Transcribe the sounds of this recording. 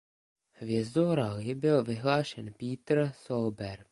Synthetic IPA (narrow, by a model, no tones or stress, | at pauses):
hʋjɛzd̪ɔːɾalɪbɪlʋɪɦlaːʃɛnpiːt̪ɾsɔlbɛɾ